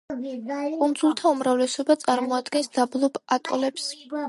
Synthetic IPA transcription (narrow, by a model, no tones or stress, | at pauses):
und̪zulˠt̪ʰaumɾavlɛsɔbat̪sʼaɾmɔad̪ɡɛnsd̪̥ablˠɔbat̪ʼɔ̰lɛps